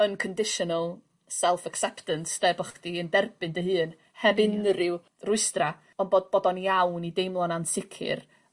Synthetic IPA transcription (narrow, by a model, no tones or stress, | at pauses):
ənkʰəndɪʃɔnəlˠ | sɛlˠfəksɛptənsd̥ɛbɔχd̥iəndɛrbɨndəɦɨːn | hɛbɪnrɪw | rʊɨstra | ɔnbodb̥ɔdɔniawnidejmlˠɔnansɪkʰɪ̰r